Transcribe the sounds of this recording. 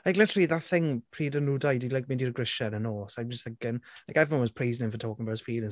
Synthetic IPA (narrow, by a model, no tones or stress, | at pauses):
laɪklɪtəɹəliðatθɪ̃ŋpʰɹiːdənuːdajdilaɪk̚mĩndiɾəɡɹɪʃənənɔːsaɪd͡ʒsθãkɪ̃nlajkɛvəɔ̃nwɔz̥pʰɹ̥eɪznɪ̃nfətʰɔːkɪ̃ŋəbaʊtz̥fiːlˠɪ̃ŋ